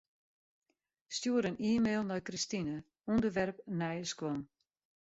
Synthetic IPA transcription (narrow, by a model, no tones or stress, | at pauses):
stjuəɾəniːmeːlˠnɔjkristinə | undəʋɛrpnɛjəskwɔn